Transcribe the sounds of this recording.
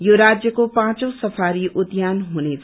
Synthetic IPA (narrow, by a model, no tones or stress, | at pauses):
joɾad͡zjʌkopãt͡sõsʌpʰaɾiʔut̪janɦunet͡sʰ